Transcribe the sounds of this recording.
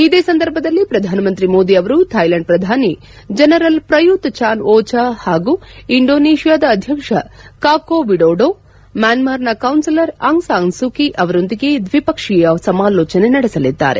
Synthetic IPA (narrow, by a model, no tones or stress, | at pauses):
id̪eːsɐnd̪ɐɾbʱɐd̪ɐlːipɾɐd̪ʱaːnɐmɐnt̪ɾimoːd̪iɐʋɐɾut̪ʰɐjlɐɳɖ̚pɾɐd̪ʱaːni | d͡ʒɐnɐɾɐlpɾɐjut̪t͡ʃaːnʔɔːt͡ʃahaːɡuːiɳɖoːneːʃijaːd̪ɐːd̪ʱjɐkʂɐkaːkoːʋiɖoːɖoː | maːnmaːɾnɐkɐwnsilɐɾaŋsaːŋsukiʔɐʋɐɾo̞nd̪iɡe̞d̪ʋipɐkʂijɐsɐmaːlɔːt͡ʃɐne̞nɐɽɛsɐlid̪ːa̰ːɾe̞̰